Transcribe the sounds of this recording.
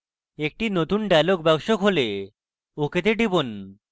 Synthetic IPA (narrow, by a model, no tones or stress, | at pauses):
ek̚ʈinot̪unɖalok̚bɛbʃokɦole | oket̪eɖibon